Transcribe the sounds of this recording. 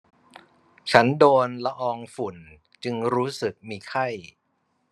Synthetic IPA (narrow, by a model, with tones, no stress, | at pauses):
t͡ɕʰa˦˥ndoː˧nla˧ʔɔː˧ŋfu˨˩n | t͡ɕɯ˧ŋɾuː˦˥sɯ˨˩k̚miː˧kʰa˥˩j